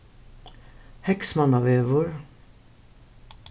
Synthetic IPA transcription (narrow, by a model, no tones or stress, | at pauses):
hɛksmɑnɑʋeːʋoɾ